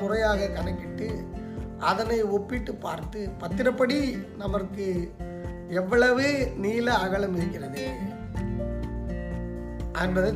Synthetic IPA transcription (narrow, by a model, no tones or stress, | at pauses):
kʊrɐjaːɣɐkɐɳɐkːɪʈːɯʔɐðɐnɐɪɔpːɪʈːɯpːaːɾt̪ɯpɐt̪ːɪɾɐpːɐɽinɐmɐkːɯ | ɛʋːɐɭɐʋeːniːlɐːɣɐɭɐmɪɾɯkːɪɾɐðɯ | ʔɐndɐðɯ